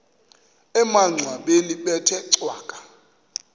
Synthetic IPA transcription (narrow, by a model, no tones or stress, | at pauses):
ɛmaŋ͡ǀʱwaɓeniɓɛtʰɛǀwaːkʼḁ